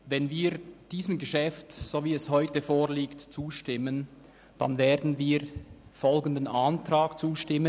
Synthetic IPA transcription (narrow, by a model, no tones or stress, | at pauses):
vɛnviːɾd̥iːsəmɡəʃɛftsoːviːɛshɔʏtəfoːʁliːktt͡suːʃtɪmən | d̥a̰nveːɐdn̩viːɾfɔlɡən̩dənʔantɾaːkt͡suːʃtɪmə